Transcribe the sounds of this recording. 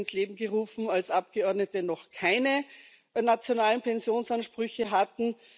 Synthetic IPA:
nsleːbm̩ɡəʁuːfm̩alsʔap̚ɡ̥əɔɐdnətənɔχkʰaɪnə | nat͡sjonaːlənpʰɛnzjoːnsanʃpʁ̥ʏçəɦatn̩

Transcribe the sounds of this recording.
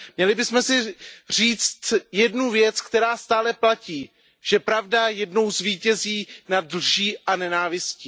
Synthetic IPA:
mɲɛlɪbɪsmɛsɪr̝iːt͡st̪jɛdnuvjɛt͡skt̪ɛɾaːst̪aːlɛplaciː | ʒ̥ɛpɾavdajɛdno̞wzviːcɛziːnadl̩ʒiːʔanɛnaːvɪsciː

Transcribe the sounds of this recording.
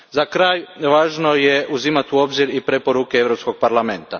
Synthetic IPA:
zakɾaːjʋaːʒno̞je̞ʔuzimat̪uo̞bziɾipɾepo̞ɾukeeʋɾo̞psko̞ɡ̚paɾlame̞nt̪a

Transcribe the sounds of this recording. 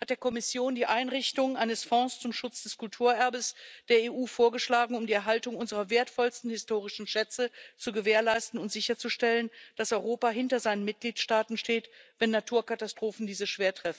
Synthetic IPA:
hat̚d̥eːɐkʰɔmɪsjoːndiːʔaɪnʁɪçtʊŋʔaɪnəsfɔ̃ːst͡sʊmʃʊt͡sd̥ɛskʊltʰuːɐʔɛɐbəsd̥eːɐeːʔuːfoːɐɡəʃlaːɡŋ̩ʊmdiːɛɐɦaltʊŋʔʊnzəʁɐveːɐtfɔlstn̩hɪstoːʁ̞ɪʃn̩ʃɛt͡sət͡suɡəveːɐlaɪstn̩ʊntz̥ɪçɐt͡suʃtɛlənd̥asʔɔʏʁoːpaɦɪntɐzaɪnənmɪt̚ɡ̥liːtʃtaːtn̩ʃteːtv̥ɛnːatʰuːɐkatastʁ̥oːfn̩diːzəʃv̥eːɐtʁ̥ɛf̩

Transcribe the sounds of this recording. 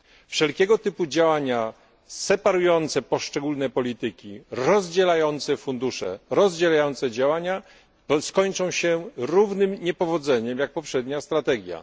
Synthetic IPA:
fʂɛlkʲɛɡɔt̪ɘpud͡ʑawaɲa | sɛpaɾujɔnt̪sɛpɔʂt͡ʂɛɡulnɛpɔlʲit̪ɘkʲiɾɔzd͡ʑɛlajɔnt̪sɛfund̪uʂɛ̰ɾɔzd͡ʑelajɔnt̪sɛd͡ʑawaɲa | t̪ɔskɔɲt͡ʂɔ̃w̃ɕɛɾuvnɘmɲɛpɔvɔd̪zɛɲɛmjak̚pɔpʂɛd̪ɲast̪ɾat̪ɛɡʲja̰

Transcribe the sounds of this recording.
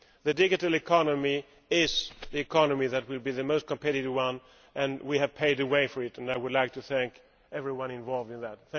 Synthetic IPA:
ðɨdɪɡɨɾl̩ˠɨkʰɑnəmi | ɪzðiɨkʰɑnɨmiðɨt̚wɪlˠbiðɨmoʊst̚kʰə̃mpʰɛɾɨɾɨvwʌ̃n | ʔɨ̃nwiɨv̥pʰeɪɾɨweɪfə˞ɨtɨ̃naɪwʊdˡlaɪk̚tʰɨθæ̃ŋk | ɛvɹiwʌ̃nɪ̃ɱvɑlˠvdɨ̃nðæt̪̚θæ̃

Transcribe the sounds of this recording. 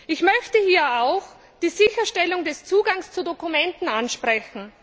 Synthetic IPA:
ʔɪçmœçtəhiːɐaʊx | d̥iːzɪçɐʃtɛlʊŋdɛst͡suːɡaŋst͡sudokumɛntn̩anʃpʁɛçn̩

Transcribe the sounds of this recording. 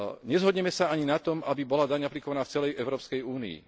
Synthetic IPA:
ɲɛzɦɔd̪ɲɛmɛsaaɲinat̪ɔmʔabibɔlad̪aɲaplikɔʋanaːft͡sɛlɛjɛʊɾɔːpskɛjuːnḭḭ

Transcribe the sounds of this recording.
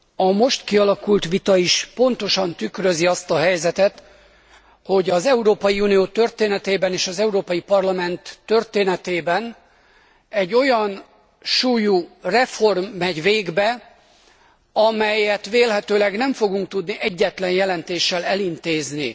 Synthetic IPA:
ɒmo̞ʃt̪kiɒlɒkult̪ʋit̪ɒiʃpo̞nt̪o̞ʃɒnt̪ykrø̞ziɒst̪ɒɦɛjzɛt̪ɛt̪ | ho̞ɟɒzɛuɾoːpɒjiuːnijoːt̪ø̞rt̪eːnɛt̪eːbɛneːʃɒzɛuɾoːpɒjipɒrlɒmɛnt̪ːø̞rt̪eːnɛt̪eːbɛn | ɛɟːo̞jɒn | ʃuːjurɛfo̞rmːɛɟʋeːɡbɛ | ɒmɛjɛt̪ʋeːlɦɛt̪øːlɛɡnɛɱfo̞ɡuŋk̚t̪ud̪niʔɛɟːɛt̪lɛnjɛlɛnt̪eːʃːɛlɛlint̪eːznḭ

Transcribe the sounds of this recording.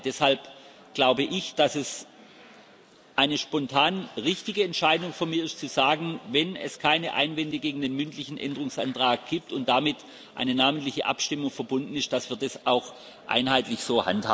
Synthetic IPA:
d̥ɛshalp | ɡ̥laʊbəʔɪçd̥asɛs | ʔaɪnəʃpɔntʰaːnʁɪçtɪɡəɛntʃaɪdʊŋfyːɐmiːɐɪstt͡suzaːɡŋ̩vɛnɛ̰skʰaɪnəʔa̰ɪnvɛndəɡeːɡŋ̩deːnmʏntlɪçn̩ʔɛ̰ndəʁʊŋsʔa̰ntʁ̥aːk̚ɡ̥iːp̚tʊnt̚d̥amɪt | ʔa̰ɪnənaːməntlɪçəʔa̰pʃtɪmʊŋfɛɐbʊndn̩ɪst̚d̥asv̥iːɐdasaʊx | ʔa̰ɪnhaɪtlɪçz̥oːha̰ntha̰ː

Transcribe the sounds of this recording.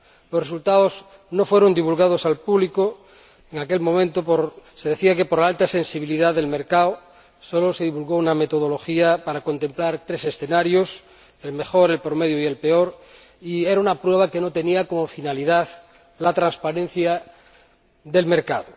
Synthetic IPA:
losresult̪aoz | nofweɾond̪iβulɣað̞osalpuβliko | eŋakelmõmẽnt̪opoɾseðeθiake̞poɾlaalt̪ase̞nsiβ̞iliðaððe̞lmeɾkawo | soloseðiβulɣouname̞t̪oð̞olo̞xiapaɾako̞nt̪e̞mplaɾt̪ɾese̞sθenaɾjos | elme̞xoɾe̞lpɾomeðjoielpeoɾ | ieɾaunapɾweβ̞akenot̪e̞niakomofinaliðað | lat̪ɾãnspaɾẽn̟θja | ðe̞lmeɾkaðo

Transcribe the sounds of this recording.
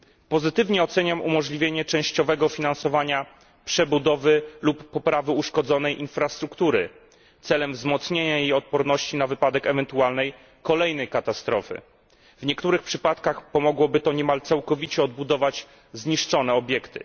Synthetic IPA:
pɔzɘt̪ɘvɲɛɔt̪sɛɲamṵmɔʐlʲivʲjeɲɛt͡ʂɛ̃w̃ɕt͡ɕɔvɛɡɔfʲinansɔvaɲa | pʂɛbud̪ɔvɘlupːɔpɾavɘuʂkɔd̪zɔnɛjʔinfɾast̪ɾukt̪uɾɘ | t̪sɛlɛmvzmɔt̪sɲeɲajejɔt̪̚pɔɾnɔɕt͡ɕinavɘpad̪ɛkɛvɛnt̪ualnɛj | kɔlɛjnɛjkat̪ast̪ɾɔfɘ̰ | vɲɛkt̪uɾɘxpʂɘpat̪kaxpɔmɔɡwɔbɘt̪ɔɲɛmalt̪sawkɔvʲit͡ɕɛɔd̪̚bud̪ɔvad͡ʑ | zɲiʂt͡ʂɔnɛɔbʲjɛkt̪ɘ̰

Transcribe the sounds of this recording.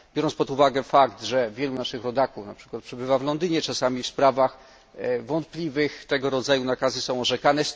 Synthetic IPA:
bʲjɔɾɔnspɔt̪uvaɡɛfakt̪ʐɛvʲjɛlunaʂɘxɾɔd̪akufnapʂɘ̥kwat̪̚pʂɛbɘvavlɔnd̪ɘɲɛt͡ʂasamʲifspɾavax | vɔnt̪̚plʲivɘxt̪ɛɡɔɾɔd̪zajunakazɘsɔ̃w̃ɔʐɛkanɛ

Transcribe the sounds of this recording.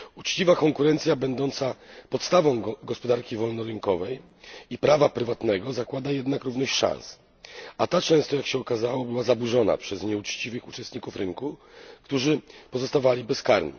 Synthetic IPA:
ut͡ʂt͡ɕivakɔŋkuɾɛnt̪sʲjabɛnd̪ɔnt̪sapɔt̪st̪avɔ̃w̃ɡɔspɔd̪aɾkʲivɔlnɔɾɘŋkɔvɛj | ipɾavapɾɘvat̪nɛɡɔzakwad̪ajɛd̪nakɾuvnɔɕt͡ɕʂã̰ns | at̪at͡ʂɛ̃w̃st̪ɔjakɕɛɔkazawɔbɘwazabuʐɔna̰pʂɛsɲɛut͡ʂt͡ɕivɘxut͡ʂɛst̪ɲikufɾɘŋkukt̪uʐɘpɔzɔst̪avalʲibɛskaɾɲḭ

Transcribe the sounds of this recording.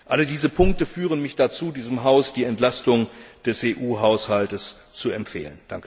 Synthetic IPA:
ʔalədiːzəpʰʊŋk̚təfyːʁ̞ənmɪçd̥at͡suːdiːzəmɦaʊsd̥iːɛntlastʊŋd̥ɛsʔeːʔuːɦaʊshaltəs | t͡suɛmpfḛːlənd̥aŋkə

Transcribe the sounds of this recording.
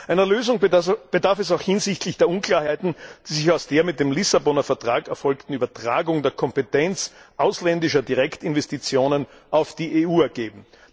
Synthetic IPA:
ʔæɪnəløːzʊŋb̥ədaɐfɛs̬aʊxhɪnzɪçtlɪçd̥eːɐʔʊnkʰl̥aːɐhaɪtn̩d̥iːzɪçaʊsd̥eːɐmɪt̚d̥eːmlɪsabɔnɐfɛɐtʁ̥aːkɛɐfɔlktn̩yːbɐtʁ̥a̰ːɡʊŋdeːɐkʰɔmpetɛnt͡sʔaʊslɛndɪʃɐdiʁɛktɪnvɛstit͡sjoːnənʔaʊfd̥iːʔeuːɛɐɡeːbm̩

